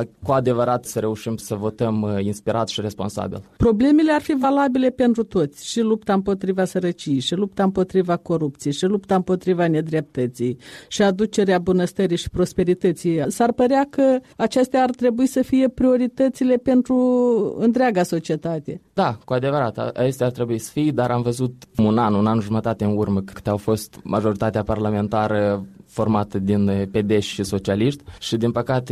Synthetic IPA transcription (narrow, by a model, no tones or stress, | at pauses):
kuad̪e̞vəɾat̪səɾe̞uʃimsəvo̞t̪əminspiɾʔa̰t̪ʃiɾe̞spo̞nsa̰bḭlpɾo̞ble̞me̞learfivalabile̞pe̞nt̪ɾut̪o̞t̪sʲʃilupt̪aɨmpo̞t̪ɾivasəɾət͡ʃijejʃilupt̪aɨmpo̞t̪ɾivako̞ɾupt̪sijejʃilupt̪aɨmpo̞t̪ɾivane̞d̪ɾep̚t̪ət̪sijʃiad̪ut͡ʃe̞ɾeabunəst̪əɾijʃi̥pɾo̞spe̞ɾit̪ət̪sijasarpəɾeakəat͡ʃest̪eaːrt̪ɾe̞buisəfije̞pɾio̞ɾit̪ət̪sile̞pe̞nt̪ɾuɨnt̪ɾeaɡaso̞t͡ʃie̞t̪at̪e̞d̪akuad̪e̞vəɾat̪a̰a̰t͡ʃest̪eart̪ɾe̞buisə̥fijd̪aɾʔamvəzut̪munanunanʒumət̪at̪eɨnurməkɨɨ̥t̪eawfo̞st̪maʒo̞ɾit̪at̪eaparlame̞nt̪aɾəfo̞rmat̪əd̪inpe̞d̪eʃʲʃiso̞t͡ʃialiʃt̪ʲʃid̪inpəkat̪e